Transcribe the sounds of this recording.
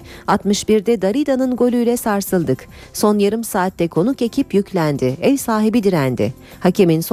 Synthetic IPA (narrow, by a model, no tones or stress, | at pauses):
at̪mɯʃbiɾd̪ɛd̪aɾid̪anɯnɡo̞lʲyjlʲɛsaɾsɯlˠd̪ɯk | so̞njaɾɯmsaːt̪ːɛkʰo̞nuke̞cʰipjycʰlʲænd̪ɪɛlʲsaːɦibid̪iɾænd̪ɪ̰ | hacʰimins